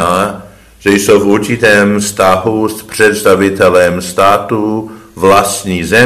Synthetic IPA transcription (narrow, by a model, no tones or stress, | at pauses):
a | ʒ̥ɛjsowfuɾt͡ʃɪt̪ɛːmfst̪aɦuspr̥ɛt̪st̪avɪt̪ɛlɛmst̪aːt̪uvlast̪ɲiːzɛ